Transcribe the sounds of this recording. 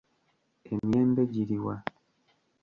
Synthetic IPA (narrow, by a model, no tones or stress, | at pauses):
emjeːmbeɟiɾiwa